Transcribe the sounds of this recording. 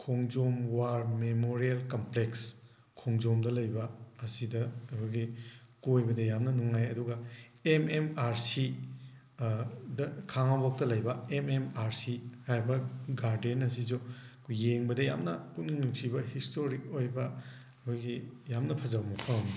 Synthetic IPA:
kʰoŋd͡ʒomwaɾmemoɾielkompleks | kʰoŋzomdɐlɐjbɐːsidɐkʰoɡi | kuojbɐdɐjamnɐnuŋajɐduɡɐ | ememaɾsi | dɐkʰaŋabok̚tɐlɐjbɐememaɾsihaɾbɐɡaɾdenɐs̬izu | jeŋbɐdɐja̰mnɐputniŋnuksibɐhistoɾik̚ojbɐ | kʰoɡijamnɐpʰɐzɐbɐmɐpʰɐm

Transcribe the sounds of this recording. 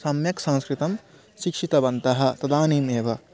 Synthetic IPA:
sɐmjɐksɐ̃ñskɾit̪ɐm | ʃikʂit̪ɐʋɐnt̪ɐɦɐ̆t̪ɐd̪aːniːmeːʋɐ

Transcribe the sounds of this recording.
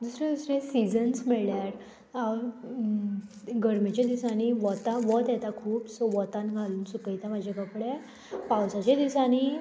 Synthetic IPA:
d̪usɾẽd̪usɾẽsid͡zənsmɛɭljaɾ | aɾ | ɡəɾmet͡ɕed̪isaniʋɔt̪aʋɔt̪jɛt̪akʰuːpsɔʋɔt̪ãnɡʱaluːnsukəjt̪amad͡ʑʱekəpɽe | pawt͡sat͡ɕed̪isañi

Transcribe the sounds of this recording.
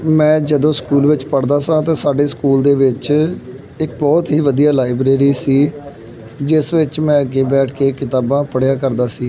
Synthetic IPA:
mɛ̃ːd͡ʒəd̪õːskuːlʋɪt͡ʃpəɽd̪aːsãːt̪ãːsaːɖeːskuːld̪eːʋɪt͡ʃ | ɪkbɔːt̪ɦiːʋəd̪ijaːlaːɪbɾeːɾiːsiː | d͡ʒɪsʋɪt͡ʃmɛ̃ːəɡeːbɛːʈʰkeːkɪt̪aːbãːpəɽejaːkəɾd̪aːsiː

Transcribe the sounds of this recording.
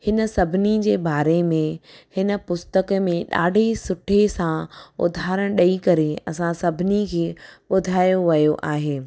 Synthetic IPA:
hɪnə̆sɐbʱɪnid͡ʑeːbaːɾemẽhɪnə̆pʊst̪əkmẽɗa̰ːɖʱesʊʈʰesãʊ̰d̪ʱaːɾəɽ̃ɗɐikɐɾeɐ̰sãsɐbʱɪnikʰeːɓʊd̪ʱaːjoʋɐjoʔaːɦeː

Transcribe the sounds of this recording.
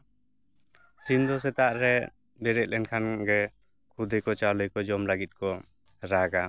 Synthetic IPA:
sind̪ɔs̬ɛt̪aʔɾɛ | bɛɾɛc̪̚ˀlɛnkʰanɡɛ | kʰud̪ɛjkɔt͡ʃalɔjkɔd͡ʒɔmlaɡit̪̚kɔ | ɾaɡa

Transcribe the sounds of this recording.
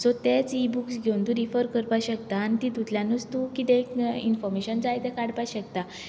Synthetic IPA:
sɔt̪et͡sibuksɡʱont̪ũɾifəɾkəɾpaɕəkt̪aːnit̪it̪ut̪ʰljanut͡st̪ukit̪ẽkḭnfɔɾmeɕənd͡zajt̪ɛ̃kaɽpajɕək̚t̪a

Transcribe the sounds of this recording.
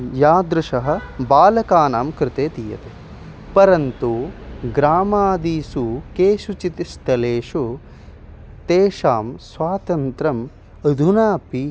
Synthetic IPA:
jaːd̪ɾuʃɐɦɐ̆baːlɐkaːnaːmkɾɪt̪eːt̪ijɐ̰t̪e | pɐɾɐnt̪uɡɾaːmaːd̪iːsukeːʃut͡ʃit̪ist̪ɐleːʂu | t̪eːʃaːmsʋaːt̪ɐnt̪ɾɐm | ɐd̪ʱunaːpi

